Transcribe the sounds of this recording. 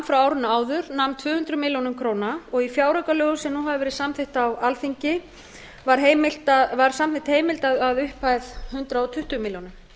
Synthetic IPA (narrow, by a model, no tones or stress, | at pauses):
fɾawaːwɾɪnːaaːwðʏɾnawmnt̪ʰvʏːhʏnt̪ɾʏmɪljownʏmkʰɾoːwnaɔɣifjaːwɾœkalœːɣʏsɛmnuːɦavʏvɛːɾɪðsamθɪht̪awalθiɲcɪ | vaɾ̥ɦejmɪlt̪avaɾ̥samθɪht̪heːjmɪlt̪aðaðʏhpajðhʏnt̪ɾaɔt̪ʰʏht̪ʏmɪljownʏm